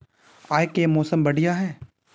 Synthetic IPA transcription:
aːekemoːsəmbɐɽijaɦɛː

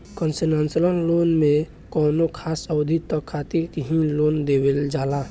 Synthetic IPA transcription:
kənsinaːnsələnlonmẽ | kɔːnokʰaːsəwd̪ʱit̪ːəkʰːat̪iɾkiɦĩloːnd̪eweld͡ʒaːlaː

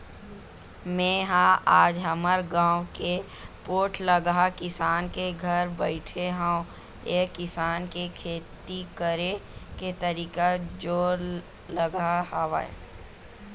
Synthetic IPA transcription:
mɛ̃ːɦãʔaːd͡ʒɦəməɾɡãːwke | poːʈʰləɡakɪsaːnkeɡʱɐɾbəɪʈʰeɦãõ | eːkɪsaːnkekʰeːt̪ikəɾeket̪əɾiːkad͡ʒoːɾ | ləɡaɦaːʋa̰ḛ

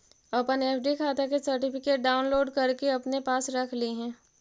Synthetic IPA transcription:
ɐpəneːpʰɖikʰaːt̪akesɐɾʈɪfɪkeːʈ̚ɖaːʊnloːɖkɐɾkeɐpnepaːsɾɐkʰliɦɛ̃ː

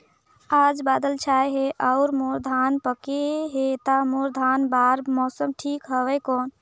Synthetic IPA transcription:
ad͡ʒbaːd̪əlt͡ʃʰajɦeʔaʊɾmoɾd̪ʱanpəkeɦet̪amoɾd̪ʱanbaɾmɔsəmʈʰikɦəwɛkɔːn

